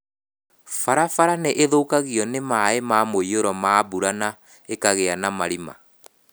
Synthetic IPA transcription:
faɾafaɾaneʔeðokaɣiɔnemaemamoioɾɔmaːβuɾana | ekaɣeanamaɾima̰

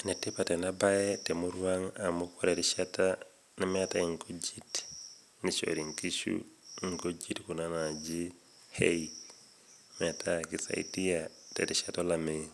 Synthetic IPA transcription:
netipatɛnabajetɛmuɾuwaŋamukoɾeɾiʃata | nimɛataiŋkod͡ʒit | nit͡ʃo̰ɾiŋkiʃṵiŋkod͡ʒitkunanad͡ʒi | hei | mɛtakisa̰ḭtiatḛtiʃatolame

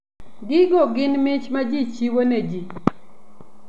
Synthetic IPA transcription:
ɡɪɡɔɡɪnmɪt͡ʃmad͡ʒit͡ʃiwoned͡ʒi

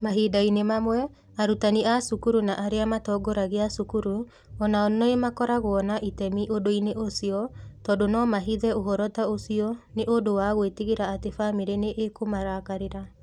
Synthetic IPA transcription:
maɦiːdainemamwɛ | aɾutaniasukuɾunaʔaɾeamatɔːɡɔɾaɣeasukuɾu | ɔnaɔnnɔemakɔɾaɣwɔnaʔitɛmiʔodoineʔosiɔtɔːdonɔmaɦiðɛoɦɔɾɔtaosiɔneʔodowaɣwetiɣeɾaːtefameɾeneʔekomaɾakaɾeɾa

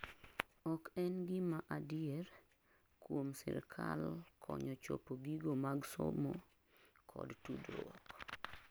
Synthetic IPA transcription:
ɔkɛnɡɪmaʔadɪɛɾ | kwomsɪ̰ɾkʰa̰lkʰɔɲɔt͡ʃo̰poɡiɡomaɡso̰mo | kʰɔ̰dtudwɔk

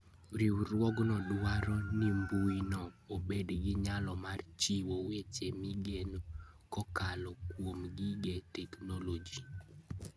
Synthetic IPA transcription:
ɾiwɾwɔɡnɔdwaɾɔnimbujnɔobedɡɪɲalɔmart͡ʃiwowet͡ʃemiɡenkɔkalɔkwomɡiɡɛtɛknolod͡ʒi

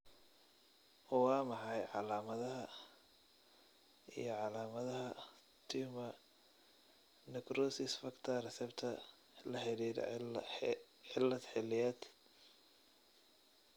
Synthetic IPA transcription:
ɔwɑːmɑħɑjʕɑlaːmɐðɐɦɐ | ḭjɞʕɑlaːmɐðɐɦɐ | t̪ʰimɐ | nɛkɾɔːsɪsfɐkt̪ʰɐrɛsɛbt̪ʰɐ | lɐħɛlið̰ | ʕɪlːɐd̪ħɛlɪjaːd̪

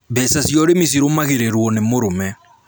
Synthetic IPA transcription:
βɛsasjɔɾemis̬iɾomaɣeɾeɾwɔnemoɾomɛ

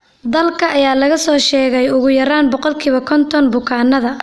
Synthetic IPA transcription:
d̪ɐlkʰɐʔɐjaːlɐɣɐsɔːʃɛːɣɛjʊɣʊjɐɾaːnbɔqɔlkʰiːβɐkʰɔnt̪ʰɔnbʊkʰaːnːɐðɐ

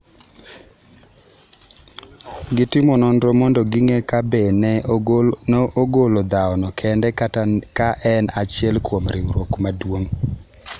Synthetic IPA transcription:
ɡɪtɪmɔnɔndɾɔmɔndɔɡɪŋɛkabɛn | noʔoɡolod̪aɔnɔkʰɛndɛkkaʔɛnat͡ʃjɛlkwomɾɪ̰ɾokmadwoŋ

